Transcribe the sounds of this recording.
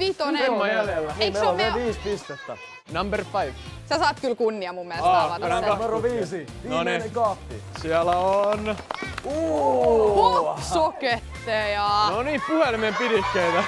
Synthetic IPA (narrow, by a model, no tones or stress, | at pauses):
ʋit̪oneemːɑjæljelːæeieomeʋiːspist̪et̪ːæ̰ | nɑmberfɑiʋsæsɑːt̪kylkunːiɑmumːieleɑlɑt̪ɑumeroʋiːsiʋinoneiekɑfːḭsiælæonu | poksoket̪ːeːjɑnoniːpuhelimempiɾikːeit̪æ